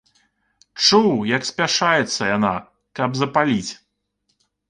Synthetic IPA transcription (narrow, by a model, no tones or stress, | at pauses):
t͡ʂuwjɐksʲpʲaʂajɛt̪sːɐjana̰ | kɐbzɐpalʲit͡sʲ